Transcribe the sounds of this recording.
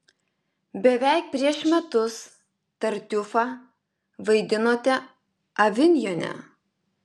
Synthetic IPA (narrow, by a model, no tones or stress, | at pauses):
bʲɛʋʲæˑɪk̚pʲɾʲiɛʃmʲɛt̪ʊs | t̪ɐɾʲt̪ʲʊfɑ | ʋɐɪd̪ʲɪnoːt̪ʲɛ | ɐʋʲɪnʲjoːnʲɛ̰